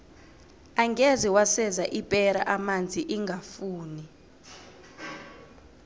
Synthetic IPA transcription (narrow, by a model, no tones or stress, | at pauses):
aŋɡeziwasɛzaʔipʼɛɾaʔamand͡zʱiʔiŋɡʱafuːni